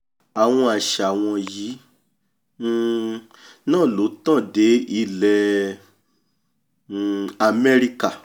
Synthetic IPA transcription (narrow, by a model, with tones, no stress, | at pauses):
a˨w̃ɔ̃˧a˨ʃa˨w̃ɔ̃˧ji˨˦˨ | nãː˦˨lo˨˦tã˦˨de˨˦i˦˧˨lɛ˨ | a˨mɛ˦ɾi˧ka˨